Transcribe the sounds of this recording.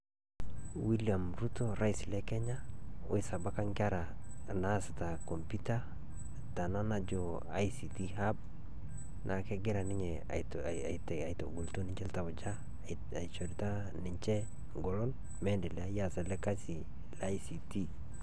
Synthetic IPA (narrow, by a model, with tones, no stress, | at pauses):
wi˦lia˨mɾu˦to˦ɾa˦isle˦ke˦ɲa˦o̰˦jsa˨ba˦ka˦ŋka˦ɾa˨ | na˦sa˨ta˨ko˨mpi˦ta˦ | ta˨na˦na˦d͡ʒo˨ | a̰˦jsi˨ti˦ɦa˦b̚ | nʔa˨ke˦ɡɪ˦ɾa˨nɪ˦ɲḛ˨ | a˨it | a˨jto̰˨ɡu˨lto˦nɪ˦ɲt͡ʃɛ˦lta˨wd͡ʒa˦ | a̰˨jt͡ʃo˨ɾi˨ta˦ | nɪ˨ɲt͡ʃe˦ | ɡo˨lo˦n | me˦ndɛ˨lɛa˦ja˦sa˨le˦ka˦si˨ | la˦jsi˨ti˦